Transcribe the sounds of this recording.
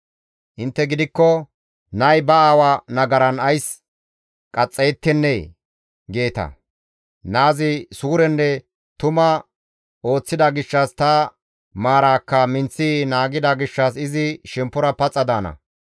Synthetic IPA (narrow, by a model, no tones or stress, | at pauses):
ʔɪnt̪ːɛɡɪd̪ɪkːɔ | nɐjbɐaːwanɐɡɐɾɐnɐjs | kʼɐt͡sʼːeːt̪ːɛnːe | ɡe̞ːt̪ɐ̰ | naːzɪsuːɾɛnːɛ | t̪ʊmɐ | o̞ːt͡sːɪd̪ɐɡɪʃːɐst̪ɐ | maːɾaːkːɐmɪnt͡sːinaːɡɪd̪ɐɡɪʃːɐsɪzɪʃɛmpːʊɾɐpɐt͡sʼːɐd̪aːnɐ̰